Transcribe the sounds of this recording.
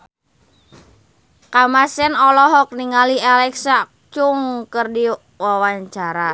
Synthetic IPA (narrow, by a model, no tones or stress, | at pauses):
kamasɛnɔlɔɦɔk̚niŋalialɛksa | t͡ʃuŋkərdi | wawaɲt͡ʃaɾa